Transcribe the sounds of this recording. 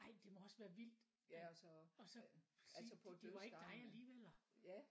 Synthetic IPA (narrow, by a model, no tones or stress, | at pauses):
ɑ̈ɪ̰d̥e̝mɒ̽ɒ̽sʋæːɐʋil̰d̥ | ɒ̽sɒ̽æisʰd̥eʋɑ̈e̝ɡ̥d̥ɑ̈ɪæliːʋel̰æ